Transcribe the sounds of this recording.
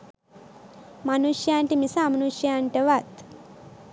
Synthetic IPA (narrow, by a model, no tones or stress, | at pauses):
mɐnuʃjaːɳʈimisaːmɐnuʃjaːɳʈeʋat̪